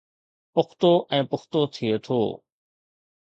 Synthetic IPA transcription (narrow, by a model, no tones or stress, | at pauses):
pʊxt̪oːʔɛ̃ːpʊxʰt̪oːt̪ʰieːt̪ʰo̰ː